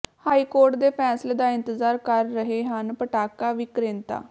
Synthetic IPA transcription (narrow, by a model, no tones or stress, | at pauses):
haːiːkoːɾʈd̪eːpʰɛːsleːd̪aːɪnt̪əzaːɾkəɾːəɦeːɦənpəʈaːkaːʋiːkɾẽːnt̪a̰ː